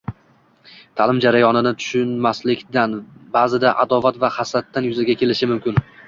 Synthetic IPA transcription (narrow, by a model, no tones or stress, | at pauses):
t̪ʰalɪmd͡ʒaɾajɒnɪnɪt̪ʰʊ̥ʃʊnmaslɪkʲd̪anbazɪd̪aʔad̪ɒvat̪vahasɾat̪ːanjʊzaɡʲakʲe̞lɪʃɪmʊmkʲɪn